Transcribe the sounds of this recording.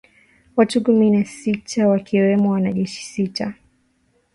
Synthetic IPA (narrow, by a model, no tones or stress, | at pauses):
watukuminasitʰawakʰiwɛmɔwanaʄɛʃi̥sita